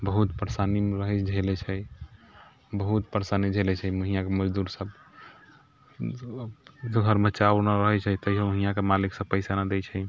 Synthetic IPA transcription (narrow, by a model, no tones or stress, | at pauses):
bəɦut̪pəɾsanimɾəɦɛt͡ʃd͡ʒʱelɛt͡ʃʰɛj | bəɦut̪pəɾsanid͡ʒʱelɛt͡ʃʰɛməɦijakeməd͡ʒd̪uɾsəb | d͡ʒɡʱəɾmet͡ʃawnəɾəɦɛt͡ʃʰɛt̪əjɦõməɦijakemaliksə̃pəɪsanad̪et͡ʃʰɛj